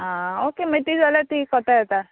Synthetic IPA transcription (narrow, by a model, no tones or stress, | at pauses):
ɦãokeməjt̪id͡zalat̪ikɔt̪ajɛt̪a